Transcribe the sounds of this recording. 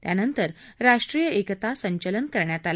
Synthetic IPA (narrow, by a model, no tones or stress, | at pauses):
t̪janənt̪əɾ | ɾaʂʈɾijəʔekt̪asəɲt͡ɕələnkəɾɳjat̪al